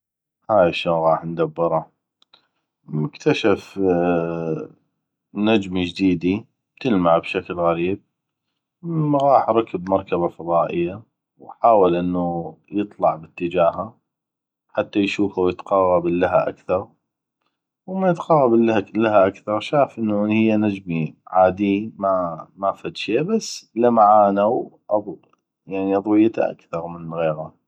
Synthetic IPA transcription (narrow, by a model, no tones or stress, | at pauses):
haːjaʃoɣɑːħnd̪abːɨɾˤɑ | mʊkt̪aʃaf | nad͡ʒmd͡ʒd̪iːd̪i | bt̪ɪlmaʕbʃaklɣaɾiːb̚ | ɣɑːħɾˤɑkəbmɑɾˤkabafɑðˤɑːʔɪjːa | wħaːwalʔɪnːujɨt̪ˤlɑʕbət̪ːəd͡ʒaːɦa | ħat̪ːajʃuːfawjɪt̪qɑːɣɑbalːaɦaʔa̰kθɑɾˤ | wmajɪt̪qɑːɣɑbalːaalːaɦaʔakθɑɾˤʃaːfʔɪnːuhɪjːanad͡ʒmiʕaːd̪iːmamafat̪ʃeːbasːlamaʕaːnaw | ʔɑðˤ | jaʕniʔɑðˤwɪjːat̪a̰ʔa̰kθɑɾˤmənɣeːɾa